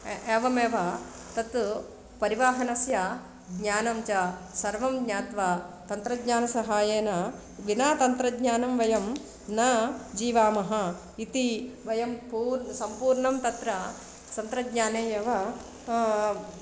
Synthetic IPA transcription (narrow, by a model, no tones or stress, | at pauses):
eːʋɐmeːʋɐ | t̪ɐt̪ | pɐɾiʋaːɦɐnɐsjɐ | ɡɲaːnɐmt͡ʃɐsɐɾʋɐmɡɲaːt̪ʋat̪ɐnt̪ɾɐɡɲaːnɐsɐɦaːjeːnɐ | ʋinaːt̪ɐnt̪ɾɐɡɲaːnɐmʋɐjɐm | nɐd͡ʒiːʋaːmɐɦɐ̆ | it̪iʋɐjɐmpuːɾsɐmpuːɾɳɐmt̪ɐt̪ɾɐ | sɐnt̪ɾɐɡɲaːneːjeːʋɐ